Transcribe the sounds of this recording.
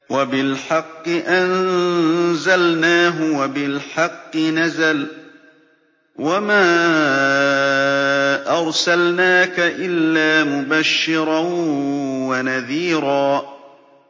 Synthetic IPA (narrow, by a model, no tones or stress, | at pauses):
wabɪlħɑqːɨʔan | zalnaːɦʊwabɪlħɑqːɨnazal | wamaː | ʔɑɾˤsalnaːkaʔɪlːaːmʊbaʃːɪɾˤɑn | wanaðiːɾɑː